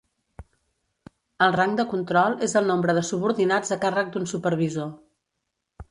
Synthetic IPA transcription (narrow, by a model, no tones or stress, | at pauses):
əlˠraŋɡd̪əkunt̪ɾɔlˠezəlˠnombɾəðəsuβuɾðinad͡zəkarək̚d̪unsupəɾβizo